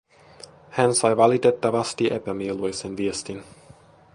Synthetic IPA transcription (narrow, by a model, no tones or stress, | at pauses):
hænsɑjʋɑlit̪e̞t̪ːɑʋɑst̪iʔepæmielujsenʋiest̪in